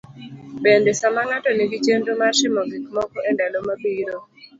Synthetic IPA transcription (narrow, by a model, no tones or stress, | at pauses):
bendesamaŋatɔniɡit͡ʃendomarʃɪmɔɡɪkmɔkɔʔendalomabiɾo